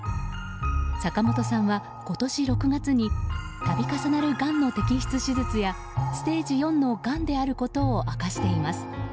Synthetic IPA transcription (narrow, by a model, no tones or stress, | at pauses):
sakamo̞t̪o̞sãɰ̃βa | ko̞t̪o̞ɕiɾo̞kɯ̟ɡat͡sɨɲ̟i | t̪abʲikasanaɾɯ̟ɡãnːo̞t̪e̞kʲiçʲi̥t͡sɨɕizɨt͡sɨja | sɨ̥t̪e̞ːd͡ʑijõ̞nːo̞ɡãnd̪e̞aɾɯ̟ko̞t̪o̞ːʔakaɕi̥t̪e̞imasɨ̥